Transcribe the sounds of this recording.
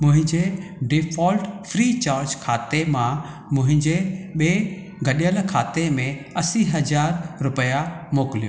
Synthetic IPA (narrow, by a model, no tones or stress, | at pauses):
mʊ̃ɦɪ̃ɲd͡ʑeɖɪfʰɔːlʈfɾiːt͡ɕaːɾd͡ʑkʰaːt̪emã | mʊ̃ɦɪ̃ɲd͡ʑeɓeː | ɡʱɐɗijəlkʰaːt̪emẽɐsiɦɐzaːɾɾʊpəjamoːkɪlijo